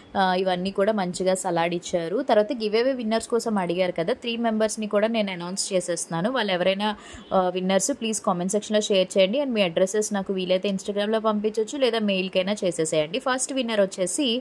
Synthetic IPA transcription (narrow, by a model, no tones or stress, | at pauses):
iʋɐnːiːkuːɽaːmɐɲt͡ʃiɡaːsɐlaːɽit͡ʃːaːɾut̪ɐɾʋaːt̪ɐɡiʋeːʋeʋinːɐɾskɔːsɐmɐɽiɡaːɾukɐd̪aːt̪ɾiːme̞mbɐɾsnikuːɽaːne̞ːnɐnɐwnst͡ʃeːseːst̪unːaːnuʋaːɭːɛʋɐɾɐjnaː | ʋinːɐɾsupliːskɔːmenʈsekʂɐnloːʃeːɐɾt͡ʃɛːjɐɳɖiɐnimiːɐɖɾeseːsnaːkuʋiːlɐjt̪eːinsʈaːɡɾaːmlo̞ːpɐmp̬iɲt͡ʃːɐt͡ʃːulɛːd̪aːmeːjlkɐjnaːt͡ʃeːseːsaːjɐɳɖipʰɐɾsʈʋinːɐɾot͡ʃːe̞ːsi